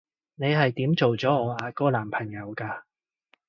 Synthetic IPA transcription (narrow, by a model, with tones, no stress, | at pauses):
ne˨˧jɦɐ˨jt̪iː˨˥mt͡so˨wt͡sɔː˨˥ŋɔː˨˧aː˨˧kɔː˥laː˨˩mpʰɐ˨˩ŋjɐ˨˧wkaː˧